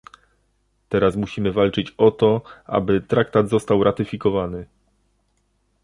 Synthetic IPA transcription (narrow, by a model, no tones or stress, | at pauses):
t̪ɛɾasmuɕimɘvalt͡ʂɘt͡ɕɔt̪ɔʔa̰bɘt̪ɾakt̪ad̪zɔst̪awɾʔat̪ɘfʲikɔvanɘ